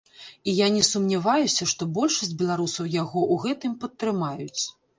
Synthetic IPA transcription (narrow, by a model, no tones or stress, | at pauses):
ijanʲɛsumnʲavajusʲɐʂt̪ɔbɔlʲʂɐsʲd͡zʲbʲɛlˠaɾusɐwjaɣɔʔuɣɛt̪ɨmpɐt̪ːɾɨmajut͡sʲ